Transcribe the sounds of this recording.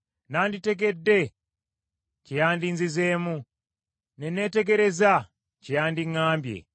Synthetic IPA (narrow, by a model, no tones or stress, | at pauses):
nanditeɡedːe | cijaːndinzizeːmu | neneteɡeɾeza | cijaːndiŋaːmbjḛ